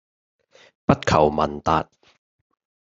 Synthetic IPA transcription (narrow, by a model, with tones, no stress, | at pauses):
pɐ˥t̚kʰɐ˨˩wmɐ˨˩nt̪aː˨˧t̚